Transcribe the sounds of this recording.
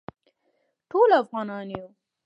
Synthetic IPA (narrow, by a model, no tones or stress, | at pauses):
ʈʰoːlafɣɑːnɑːnjo